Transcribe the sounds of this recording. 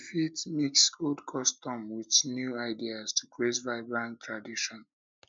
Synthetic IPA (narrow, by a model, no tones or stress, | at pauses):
fitmiksɡodkʰɔstɔ̃mwiθnjuaɪdiaztʰukɹezvaɪbɹãntʰɹadiʃɔ̃n